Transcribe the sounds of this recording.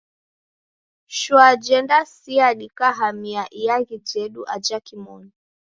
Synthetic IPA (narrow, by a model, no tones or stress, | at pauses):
ʃwad͡ʒɛndasiaɗikaɦamiaʔijaɣid͡ʒɛɗuʔad͡ʒakimɔ̰ni